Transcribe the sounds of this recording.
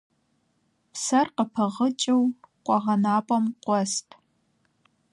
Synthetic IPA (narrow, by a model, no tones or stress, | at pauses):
psɐrqəpʰɐʁət͡ʃʼɐwqʷʼɔʁɐnaːpʼɐmqʷʼɔstʼʰ